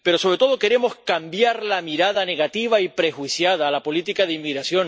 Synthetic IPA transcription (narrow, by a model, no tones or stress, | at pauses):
pe̞ɾo̞so̞βɾet̪o̞ð̞o̞ke̞ɾe̞mo̞skambjaɾlamiɾaðane̞ɣat̪iβaipɾe̞xwisjaðaːlapo̞lit̪ikaðeimːiɣɾasjo̞n